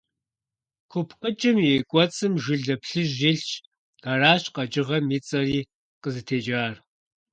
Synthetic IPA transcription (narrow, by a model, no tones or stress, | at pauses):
kʷʰʊpʰqət͡ʃʼɪmikʷʼɔt͡sʼɨmʒɪɮɐpɬɨʑiɬt͡ʃʰ | ɐraːɕqɐt͡ʃʼɪʁɐmit͡sʼɐriː | qəzɨtʰeːd͡ʒaːr